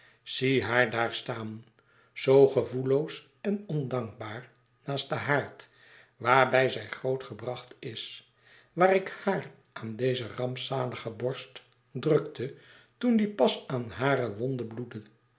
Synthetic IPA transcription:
siɦaːɹdaːɹstaːn | z̥owχəvulows | ɛnɔndɑŋk̚baːɹ | naːst̚dəɦaːɹt | ʋaːɹbɛjzɛjχrowtχəbrɑχtɪs | ʋaːɾɪkhaːr | ʔaːndejzərɑmpsaːləχəbɔɹst | drɵktʰə | tundipɑsaːnɦaːɾəʋɔndəbludən

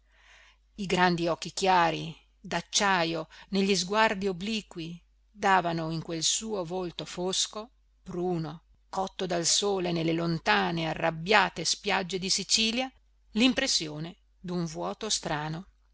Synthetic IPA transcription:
iɡɾand̪iɔkːikjaːɾi | d̪at͡ʃːajoneʎːizɡward̪iobliːkwi | d̪aːvanoiŋkwelsuːovolt̪ofosko | b̥ɾuːno | kɔt̪ːod̪alsoːlenelːelont̪aːnearːabjaːt̪espjad͡ʒːed̪isit͡ʃiːlja | limpɾesːjoːne | d̪uɱvwɔːt̪ost̪ɾaːno

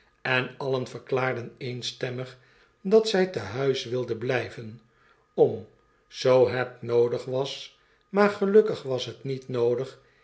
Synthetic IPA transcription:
ɛnɑlənfəɹklaːɹdənejnstɛməχ | dɑtsɛjtəɦœɥsʋɪlˠdənblɛjvən | ɔm | z̥owɦɛtnowdəχʋɑs | maːɹχəlɵkəχʋɑsɦətnitnowdəχ

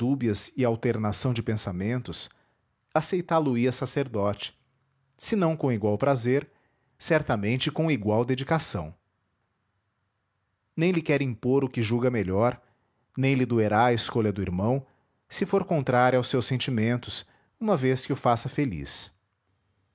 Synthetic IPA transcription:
dubiɐzɪawt̪eɾnasɐ̃w̃d͡ʒɪpẽsamẽnt̪ʊs | asejt̪aluiɐsaseɾd̪ɔt͡ʃɪ̥ | sɪnɐ̃w̃kõiɡwawpɾazeɾ | sɛɾt̪ɐmẽnt͡ʃɪkõiɡwawd̪ed͡ʒikasɐ̰̃w̃ | nẽj̃lɪkɛɾĩpoɾʊkɪʒuɡɐmeʎɔɾ | nẽj̃lɪd̪ueɾaɐɪskoʎɐd̪ʊiɾmɐ̃w̃ | sɪfoɾkõnt̪ɾaɾjawsːewsẽnt͡ʃimẽnt̪ʊs | ũmɐveskɪʊfasɐfelḭs

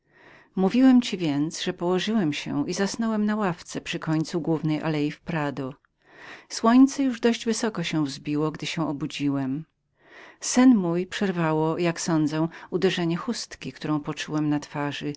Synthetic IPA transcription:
muvʲiwɛmt͡ɕivʲjɛnt̪sʐɛpɔwɔʐɘwɛmɕɛ̰izasnɔwɛmnawaft̪sɛpʂɘkɔɲt̪suɡwuvnɛjʔa̰lɛjifpɾad̪ɔ | swɔɲt̪sɛjuʐd̪ɔʑd͡ʑvɘsɔkɔɕɛ̃vzbʲiwɔɡd̪ɘɕɛ̃ʔɔbud͡ʑiwɛm | sɘnmujpʂɛɾvawɔjaksɔnd̪zɛud̪ɛʐɛɲɛxust̪kʲikt̪uɾɔ̃w̃pɔt͡ʂuwɛmnat̪faʐɨ

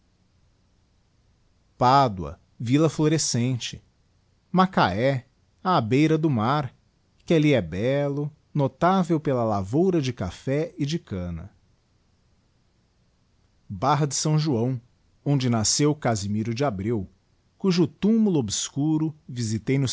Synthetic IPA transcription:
pad̪wɐ̰ | vilɐfloɾesẽnt͡ʃɪ̥ | makaɛ | aabejɾɐd̪ʊmaɾ | kɪaliɛbɛlʊ | not̪avewpelɐlavowɾɐd͡ʒɪka̰fɛɪd͡ʒɪkɐ̃nɐ̰ | baɦɐd͡ʒɪsɐ̃w̃ʒuɐ̃w̃ | õd͡ʒɪnasewkazimiɾʊd͡ʒɪabɾiw | kuʒʊt̪umulʊobɪskuɾʊvizit̪ejnʊ

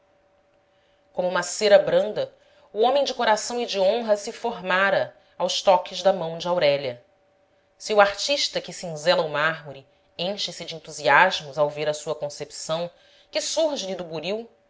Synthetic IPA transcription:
kõmʊũmɐseɾɐbɾɐ̃nd̪ɐ | uõmẽj̃d͡ʒɪkoɾasɐ̃w̃id͡ʒiõɦɐsɪfoɾmaɾɐ | awst̪ɔkɪʒd̪ɐmɐ̃w̃d͡ʒɪawɾɛʎɐ | siuaχt͡ʃiʃt̪ɐkɪsiĩzɛlɐumaɦmuɾi | ẽj̃ʃɪsɪd͡ʒɪẽnt̪uziaʒmʊzawveɾɐsuɐkõsepi̥sɐ̃w̃ | kɪsuɾʒɪlɪd̪ʊbuɾiw

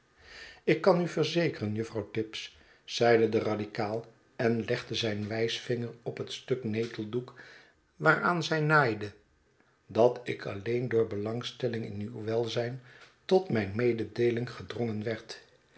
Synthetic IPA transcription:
ɪkːɑnyvəɹzejkərənjɵfrɑwtɪps | z̥ɛjdədəradikaːlˠ | ɛnlɛχdəzɛjnʋɛjsfɪŋəɹɔpɦətstɵknejtəlˠduk | ʋaːraːnzɛjnaːjdə | dɑtɪkʰɑlejndʊːɹbəlɑŋstɛlɪŋɪ̰nywʋɛlˠzɛjntɔtmɛjnmejdədejlɪŋχədrɔŋənʋɛɹt

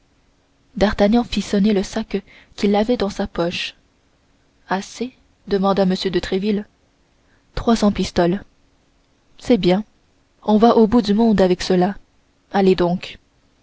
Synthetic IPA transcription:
d̪aʁt̪aɲjɑ̃fisɔneləsak | kʲilavɛd̪ɑ̃sapɔʃ | ase | d̪əmɑ̃d̪aməsjød̪ət̪χɛvil | t̪χwasɑ̃pist̪ɔl | sɛbjɛ̃ | ɔ̃vaʔobud̪ymɔ̃d̪avɛksəla | aled̪ɔ̃k

